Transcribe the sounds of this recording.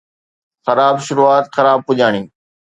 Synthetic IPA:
xɐɾaːbʃʊɾuːaːt̪xɐɾaːb̚pʊʄaːɽ̃ĩː

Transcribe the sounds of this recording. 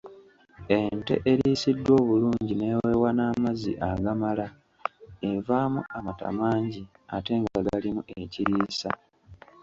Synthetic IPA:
ente̞̰ʔeɾiːsidːwo̞ːβuluːɲɟine̞ːweːwanaːmazḭʔaɡamala | evaːmuamata̰maːɲɟi | ate̞ːŋɡaɡalimuʔeciɾiːsa

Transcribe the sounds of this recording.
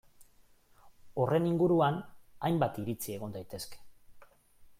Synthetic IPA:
o̞re̞niŋɡuɾuanajmbat̪iɾit͡sie̞ɣ̞o̞nd̪ajt̪e̞ske̥

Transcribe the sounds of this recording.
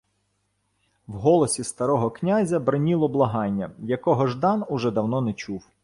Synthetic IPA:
wɦɔlˠɔsʲist̪ɐɾɔɦɔknʲazʲɐbɾɐnʲilˠɔblˠɐɦɑnʲːɐjɐkɔɦɔʒd̪ɑnʊʒɛd̪ɐwnɔnɛt͡ʃuw

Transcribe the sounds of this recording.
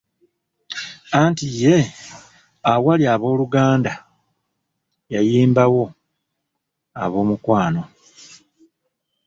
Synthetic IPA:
antije̞ | awaliaβo̞ːluɡaːnda | jajiːmbawo̞ | a̰βo̞ːmukwaːno̞

